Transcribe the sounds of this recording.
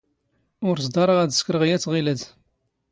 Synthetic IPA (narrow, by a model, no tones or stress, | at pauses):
ʊɾzd̪ɑɾˤəʁæd̪skɾəʁjæt͡sːʁiləd̪